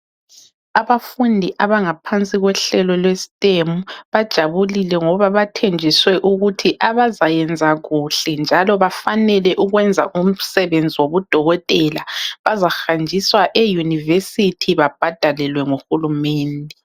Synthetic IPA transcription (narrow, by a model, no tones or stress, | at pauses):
aβafundʱiʔaβaŋapʰant͡sʼiɣwɛɬɛlɔlwesi̥tʼemuβad̥ʒ̥ʱaβulilɛŋɔβaβatʰend͡ʒʱiswɛʔuɣutʰiʔaβazajɛnd͡zʱaɣuɬɛnd͡ʒʱalɔβafanɛlɛʔuɣwɛnd͡zʱa̰ʔum̩sɛβend͡zʱiwoβud̥ʱɔɣɔtʼɛlaβazaxand͡ʒʱiswaʔejunivesitʰiβab̥ʱad̥ʱalɛlwɛŋoxulumɛːndʱɛ